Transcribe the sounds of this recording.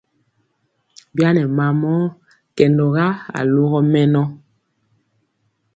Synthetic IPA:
bja˦nɛ˨ma˨mɔ˦ | kɛ˨ndɔ˨ɣa˦a̰˨lo˦ɣɔ˦mɛ˦nɔ˦

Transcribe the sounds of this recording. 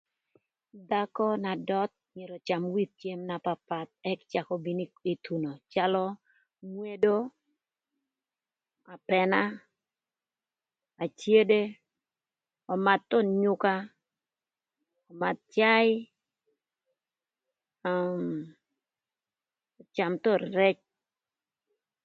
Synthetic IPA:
d̪a˦kɔ˦na˨dɔ˦t̪̚ɲe˨ɾɔ˨t͡ʃa˨mwi˦t̪̚t͡ʃje˦mna˨pa˨pa˨t̪̚ɛ˦kt͡ʃa˨kɔ˦bi˨nii˨t̪u˨no˨t͡ʃa˦lɔ˦ | ŋwe˦do˦ | a˨pɛ˨na˦ | a˨t͡ʃje˦de˦ | ɔ˨ma˨t̪ːɔ˦˨ɲʊ˦ka˦ | ɔ˨ma˨t̪̚t͡ʃa˦jɪ˦ | m | ɔ˨t͡ʃa˨mt̪ɔ˦rɾɛ˦t͡ʃ̚

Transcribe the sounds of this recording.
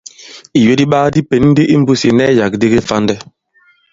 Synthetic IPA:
i˨ɥe˦di˦ɓaː˦di˦pe˨nn̩˦di˦ʔi˦m̩˦bu˦si˨nɛ˦ja˨k̚di˦ɡe˦fa˦ndɛ˦

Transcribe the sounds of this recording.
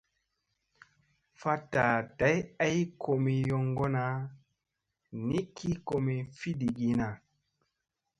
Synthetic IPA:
fa˦ta˨ta˨˦ja˦jkʰo˨mi˨jɔ˦ŋɡo˦na˦ | ni˦kʰi˦ko˨me˨fi˦di˨ɡi˨na˨

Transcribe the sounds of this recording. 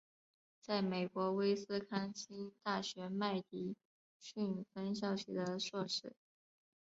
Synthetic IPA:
t͡sa˥˩ɪme˨˩ɪkwɔ˧˥we˥ɪsɹ̩˥kʰa˥nt͡ɕʰi˥nt̪a˥˩ɕɥɛ˧˥ma˥˩ɪt̪i˧˥ | ɕy˥˩nfə˥nɕ̬jɑ˥˩ʊɕʰy˨˩d̪ə˦ʂwɔ˥˧ʂɻ̩˥˩

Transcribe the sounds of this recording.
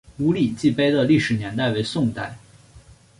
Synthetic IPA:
lu˧˥li˨˩t͡ɕi˥˩pe˥ɪd̪ə˨li˥˩ʂɻ̩˨˩njɛ˧˥nt̪a˥˩ɪwe˧˥ɪsʊ˥˧ŋt̪a˥˩ɪ

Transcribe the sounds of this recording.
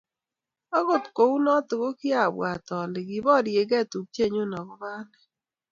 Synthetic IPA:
a˦ɣo˨tko˨u˦nɔ˦tʊ˨ɣo˦ki˦a˨bwa˨tɔ˨lɪ˨ɣi˨βɔ˦˨ɾje˨ɣɛ˦˨tu˨kte˦˨ɲo˦˨nɔ˨ɣɔ˦βaː˦nɛ˨

